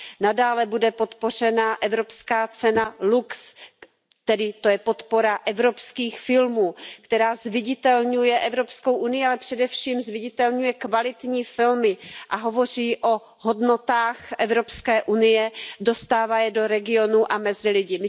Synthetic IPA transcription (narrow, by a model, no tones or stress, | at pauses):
nadaːlɛbudɛpo̞t̪po̞r̝ɛnaʔɛvɾo̞pskaːt͡sɛnaluks | t̪ɛdɪt̪o̞jɛpo̞t̪po̞ɾaʔɛvɾo̞pskiːxfɪlmuːkt̪ɛɾaːzvɪɟɪt̪ɛlɲujɛʔɛvɾo̞psko̞wʔunɪjɪalɛpr̥ɛdɛfʃiːmzvɪɟɪt̪ɛlɲujɛkvalɪt̪ɲiːfɪlmɪʔaɦo̞vo̞r̝iːʔo̞ | ɦo̞dno̞t̪aːxʔɛvɾo̞pskɛːʔunɪjɛdo̞st̪aːvajɛdo̞ɾɛɡɪo̞nuʔamɛzɪlɪɟɪmɪ